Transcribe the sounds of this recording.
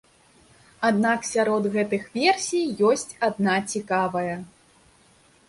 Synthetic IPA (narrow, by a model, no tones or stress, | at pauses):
ad̪naksʲaɾɔd̪ɣɛt̪ɨxvʲɛrsʲijjɔsʲt͡sʲad̪nat͡sʲikavɐjɐ